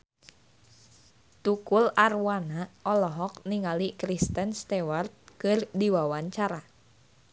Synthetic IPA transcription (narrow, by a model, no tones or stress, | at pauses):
t̪ukularwanaɔlɔɦɔk̚niŋalikɾist̪ənst̪ɛwart̪̚kɨrdiwawaɲt͡ʃaɾa